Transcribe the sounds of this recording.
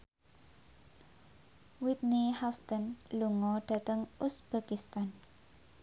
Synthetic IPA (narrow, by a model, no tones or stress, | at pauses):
wit̪̚nihast̪ənluŋɔɖ̥ä̤t̪əŋusb̥a̤kist̪an